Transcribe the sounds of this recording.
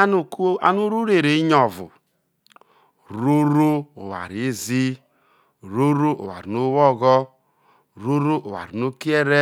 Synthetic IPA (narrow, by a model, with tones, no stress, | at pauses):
a˦n˦˨ka̰˦nu˦ɾu˦ɾe˨ɾe˨i˦ɲɔ˨vʊ̰˨ | ɾu˦ɾo˦o˨wa̰˨ɾi˨˦zi˦ | ɾo˦ɾo˦o̰˨wa̰˨ɾi˨no˦wɔ˦ɣɔ˦ | ɾo˦ɾo˦ʔo˨wa̰˨ɾi˨no˦ki˦e˦ɾe˦